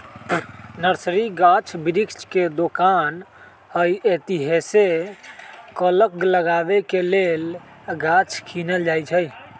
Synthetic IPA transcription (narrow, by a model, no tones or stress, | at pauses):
nəɾsɾiɡat͡ʃʰbiɾikt͡ʃked̪okan | əjet̪iɦese | kələk̚ləɡabekelel | ɡat͡ʃʰkʰinəld͡ʒajt͡ʃʰəj